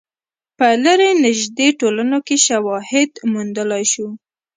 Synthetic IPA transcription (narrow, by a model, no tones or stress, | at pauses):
pəlaɾenɪʒd̪eʈolanokeʃawɑhɪd̪mund̪əlajʃu